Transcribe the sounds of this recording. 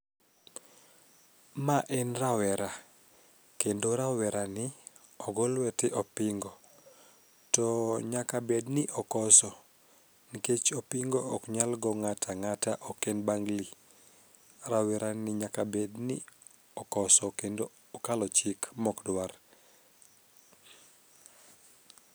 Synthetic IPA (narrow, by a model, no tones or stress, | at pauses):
maʔɛnrawɛɾa | kendoɾawɛɾʔanɪ | ɔɡɔlwɛtɪʔɔpɪŋɡɔ | tɔɲakabednɪʔɔkɔsɔ | niket͡ʃɔpiŋɡɔɔkɲalɡɔŋatʰaŋataʔɔkɛnbaŋɡli | rawɛɾanɪɲakabednɪ̰ | ɔkɔsɔkendoː | kalɔt͡ʃikmɔkdwar